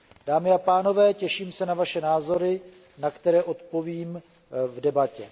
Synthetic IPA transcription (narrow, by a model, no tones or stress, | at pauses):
d̥aːmɪapaːno̞vɛːcɛʃiːmsɛnavaʃɛnaːzo̞ɾɪ | nakt̪ɛɾɛːʔo̞t̪po̞viːm | vdɛbacɛ